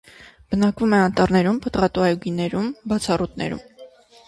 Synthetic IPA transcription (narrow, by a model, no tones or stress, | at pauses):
b̥ənɑkvumɛɑnt̪ɑrnɛɾumpət̪ʁɑt̪uɑjuɡinɛɾumbɑt͡sʰɑrut̪nɛ̰ɾṵm